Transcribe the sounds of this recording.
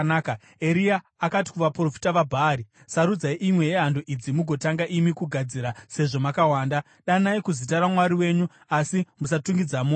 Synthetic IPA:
nːka | eɾiaːkati̥kuʋapro̞fi̥taʋabʱaːɾi | saɾud͡zaiʔimwe̞jeɦandoʔid͡zimuɡʱo̞taŋɡaʔimikuɡʱad͡ziɾase̞ʐo̞makawaːnda | ɗanaikuzitaɾamwaɾiwe̞ɲu | asimusatuŋɡid͡zamo

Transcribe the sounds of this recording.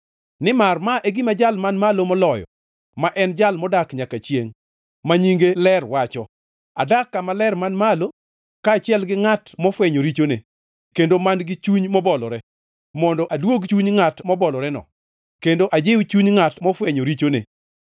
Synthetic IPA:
nɪmarmaʔeɡɪmad͡ʒalmanmalomɔlɔjɔ̰ | maʔɛnd͡ʒalmɔdakɲakat͡ʃjeŋ | maɲiŋɡelɛrwat͡ʃɔ | a̰dakːamalɛrmanmalo | kaːt͡ʃɪɛlɡɪŋatmɔfwɛɲoɾit͡ʃone | kendomanɡɪt͡ʃuɲmɔbɔlɔɾɛ | mɔndɔʔadwoɡt͡ʃuɲŋatmɔbɔlɔɾɛnɔ̰ | kendoʔad͡ʒewt͡ʃuɲŋatmɔfwɛɲoɾit͡ʃonḛ

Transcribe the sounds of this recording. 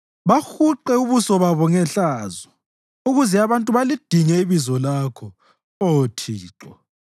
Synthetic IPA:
βaxuǃɛuβusɔβaβɔŋɛɬazɔ | uɣuzɛaβantʼuβalid̥ʱiŋɛiβizɔlakʰɔ | otʰiːǁɔ

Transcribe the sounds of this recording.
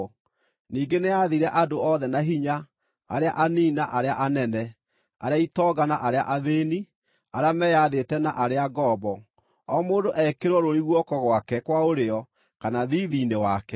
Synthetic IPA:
niːɡeneaðiɾɛʔadoɔːðɛnaɦiɲa | a̰ɾeaʔaniːnaʔaɾeaʔanɛnɛ | a̰ɾeaitɔːɡanaʔaɾea̰ʔaðeːni | aɾeamɛjaðetɛnaʔaɾeaɡɔːbɔ | ɔmoːndoʔɛkeɾwɔɾoɾiɣwɔkɔɣwakɛkwaoɾeɔ | kanaðiːðiːnewakɛ

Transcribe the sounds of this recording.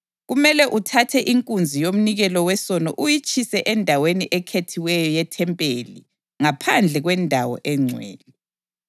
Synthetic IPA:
ɣumɛlɛʔutʰatʰɛʔiŋkʼund͡zʱijom̩niɣɛlɔwɛsɔnɔʔujit͡ʃʰʼisɛʔɛndʱaweniʔɛkʰetʰiwɛjɔjɛtʰɛmpʼeli | ŋapʰand͡ɮʱɛɣwɛndʱawɔ̰ʔɛŋ͡ǀʱwḛːni

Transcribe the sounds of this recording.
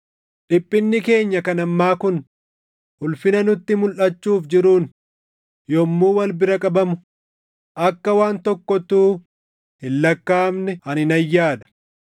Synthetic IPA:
ᶑɪpʼːɪnːɪke̞ːɲːɐkɐnɐmːaːkʊn | hʊlfɪnɐnʊt̪ːɪmʊlʔɐt͡ʃːuːfd͡ʒɪɾuːn | jɔmːuːwɐlbɪɾɐkʼɐbɐmʊ | ʔɐkːɐwaːnt̪ɔkːɔt̪uː | hɪlːɐkːaːmnɛɐnɪnɐjːaːd̪ɐ̥

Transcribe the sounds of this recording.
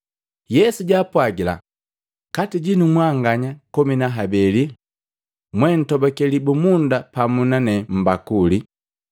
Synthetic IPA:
jɛsuɟaːpwaɡila̰ | katiɟinumwaŋɡaɲakɔminaɦabɛli | mwɛn̩tɔbɔkɛlibumundapamunanɛm̩bakuli

